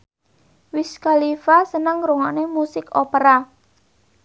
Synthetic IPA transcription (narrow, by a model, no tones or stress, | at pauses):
wɪskalifasənəŋɾuŋanemusɪkopəɾa